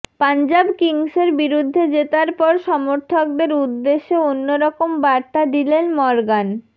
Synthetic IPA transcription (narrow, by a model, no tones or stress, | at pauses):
pand͡ʑabkiŋseɾbiɾud̪ʱːed͡ʑet̪aɾpɔɾʃɔmoɾt̪ʰok̚d̪eɾud̪ːeʃːeonːoɾɔkombaɾt̪ad̪ilenmɔɾɡan